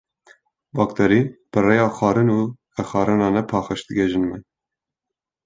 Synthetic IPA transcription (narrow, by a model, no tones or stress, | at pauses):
bɑːk̚t̪ʰɛɾib̥ɨrejɑːxɑːɾɨnuː | ɛxɑːɾɨnɑːnɛpʰɑːxɨʃt̪ɨɡʲɛʒɨnmɛ